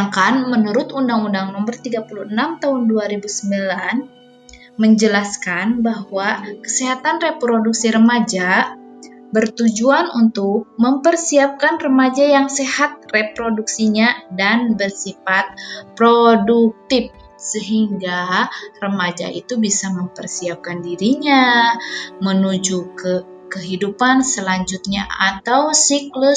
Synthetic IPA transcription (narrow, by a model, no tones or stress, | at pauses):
ŋkanmənəɾʊt̪undaŋundaŋnɔmərt̪iɡapuluənamt̪aɦʊnduaɾibusəmbilan | məɲd͡ʒəlaskanbahwakə̥seɦat̪anrepɾoduksiɾəmad͡ʒa | bərt̪ud͡ʒuanunt̪ʊk̚məmpərsiap̚kanrəmad͡ʒajaŋsehat̪̚repɾoduksiɲadanbərsifat̪̚pɾoduk̚t̪ɪp̚ | səɦiŋɡarəmad͡ʒa̰ʔḭt̪ubisaməmpərsiap̚kandiɾiɲa | mənud͡ʒukə | kəɦidupansəlaɲd͡ʒut̪̚ɲaat̪awsiklu